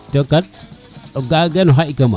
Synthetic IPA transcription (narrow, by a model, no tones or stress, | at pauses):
tokat | oɡaɡanoɦaikama̰